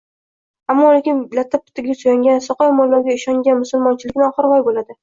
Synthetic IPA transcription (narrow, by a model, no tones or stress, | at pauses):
amːɒlekʲɪnlat̪ʰap̚ːʊ̥t̪ʰɪɡʲasojaŋɡʲansɒqɒjmɒlːaɾɡʲaɪʃɒŋɡʲanmʊsʊlˠmɒnt͡ʃʰɪlɪkʲnɪɒχɨɾʁɒjbolad̪ɪ